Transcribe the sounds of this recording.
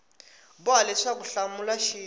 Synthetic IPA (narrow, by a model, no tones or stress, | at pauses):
bʊalɛʂak̬uɬamulaʃiː